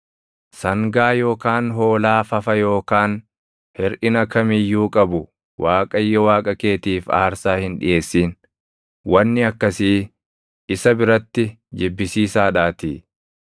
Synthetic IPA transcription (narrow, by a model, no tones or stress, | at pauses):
sɐŋɡaːjo̞ːkaːnɦo̞ːlaːfɐfɐjo̞ːkaːn | hɛɾʔɪnɐkɐmijːuːkʼɐbʊ | wʔaːkʼɐjːɔwaːkʼɐke̞ːt̪iːfa̰ːɾsaːhɪnᶑɪ̰ʔe̞ːsːiːn | wɐnːɪɐkːɐsiː | ʔɪsɐbɪɾɐt̪ːɪ | d͡ʒɪbːɪsiːsaːᶑaːt̪ḭː